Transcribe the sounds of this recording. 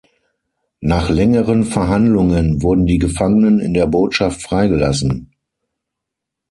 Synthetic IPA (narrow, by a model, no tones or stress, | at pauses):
naːχlɛŋəʁənfɛɐɦandlʊŋənvʊɐdn̩diːɡəfaŋənənɪ̰ndeːɐboːtʃaftfʁ̥aɪɡəlasn̩